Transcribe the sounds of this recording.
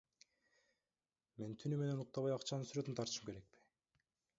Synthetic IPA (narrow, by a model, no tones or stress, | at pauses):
me̞nt̪ʰynyme̞ne̞nuq̚t̪ɑβɑjɑqt͡ʃɑnɯnsyɾø̞t̪ynt̪ʰɑɾt̪ɯʃɯmke̞ɾe̞k̚pi̥